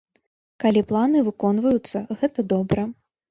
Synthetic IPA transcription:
kalʲiplˠanɨvɨkɔnvɐjut̪sːɐɣɛt̪ɐd̪ɔbɾɐ

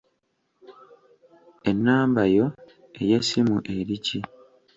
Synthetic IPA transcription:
e̞nːaːmbajo̞ | e̞jesimuʔe̞ɾici

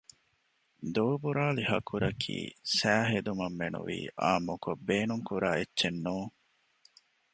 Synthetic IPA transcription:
d̪oːbuɾaːlihɐkʰuɾɐkʰḭːsæːɦed̪umɐmːenṵʋḭːʔaːmːukobːeːnuŋkuɾaːetːʃenːuːŋ

